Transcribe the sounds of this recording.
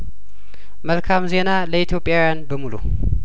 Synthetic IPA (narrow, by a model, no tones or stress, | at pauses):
məlkʰamze̞naləit̪ʰjo̞pʼːjawjanbəmulṵ